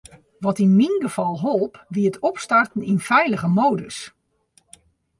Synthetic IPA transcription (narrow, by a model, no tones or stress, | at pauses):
ʋɔtinminɡəv̥ɔlˠɦolˠpʋiətʰɔpstartn̩infɛjləɣəmowdəs